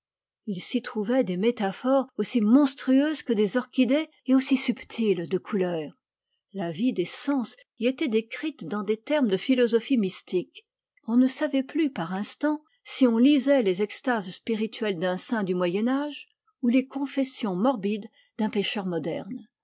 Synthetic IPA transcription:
ilsit̪χuvɛd̪emet̪afɔʁosimɔ̃st̪χyøzkəd̪ezɔʁkʲid̪e | eosisypt̪ʰild̪əkʰulœːʁ | lavid̪esɑ̃s | iet̪ɛd̪ekχit̪d̪ɑ̃d̪et̪ɛʁmd̪əfilɔzɔfimist̪ik | ɔ̃nəsavɛplypaʁɛ̃st̪ɑ̃ | siɔ̃lizɛlezɛkst̪azspiʁit̪ʰɥɛld̪ɛ̃sɛ̃d̪ymwajɛnaʒ | ulekɔ̃fɛsjɔ̃mɔʁbid̪ | d̪ɛ̃peʃœʁmɔd̪ɛ̰ʁn

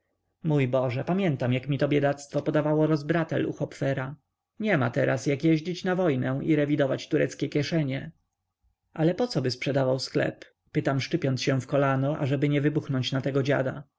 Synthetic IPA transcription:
mujbɔʐɛpamʲjɛnt̪amjakmʲit̪ɔbʲjɛd̪at̪st̪fɔpɔd̪avawɔɾɔzbɾat̪ɛ̰lʔṵxɔpfɛɾa | ɲɛma̰t̪ɛɾʔasjakjɛʑd͡ʑit͡ɕnavɔjnɛ̃ʔḭɾɛvʲid̪ɔvat͡ɕt̪uɾɛt̪skʲɛkʲjɛʂɛɲɛ | ʔalɛpɔt̪sɔbɘspʂɛd̪avawsklɛ̰pː | ɘt̪amʂt͡ʂɘpʲjɔnt̪sɕɛ̃fkɔlanɔʔa̰ʐɛbɘɲɛvɘbuxnɔɲt͡ɕnat̪ɛɡɔd͡ʑa̰d̪a̰

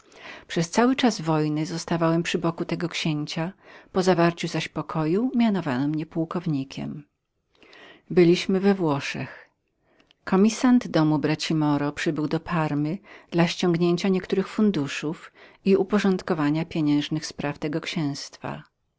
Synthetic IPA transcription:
pʂɛst̪sawɘt͡ʂazvɔjnɘzɔst̪avawɛmpʂɘbɔkut̪ɛɡɔkɕeɲt͡ɕapɔzavaɾt͡ɕuzaɕpɔkʰɔjumʲjanɔvanɔmɲɛpuwkɔvɲikʲɛ̰m | bɘlʲiɕmɘvɛvwɔʂɛ̰x | kʰɔmʲisand̪d̪ɔmubɾat͡ɕimɔɾɔpʂɘbɘwd̪ɔpʰaɾmɘd̪̥laɕt͡ɕɔ̃ŋɡɲeɲt͡ɕaɲɛkt̪uɾɘxfund̪uʂufiupɔʐɔnt̪kɔvaɲapʲjeɲɛ̃ʐnɘxspɾʔaft̪ɛɡɔkɕɛ̃w̃st̪fa̰

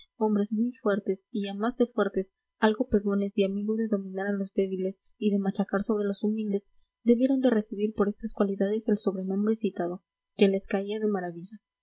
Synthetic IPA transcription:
o̞mbɾe̞zmujfwe̞ɾt̪e̞siamazðe̞fwe̞ɾt̪e̞s | alɣo̞pe̞ɣo̞ne̞zðeamiɣoðe̞ðo̞mĩnaɾalo̞zd̪e̞βile̞s | iðemat͡ʃakaɾso̞βɾe̞lo̞sumild̪e̞z | d̪e̞βje̞ɾo̞nd̪e̞re̞siβiɾpo̞ɾe̞st̪askwaliðaðe̞selso̞βɾe̞nõ̞mbɾesit̪aðo̞ | ke̞le̞skaiaðe̞maɾaβiʝa

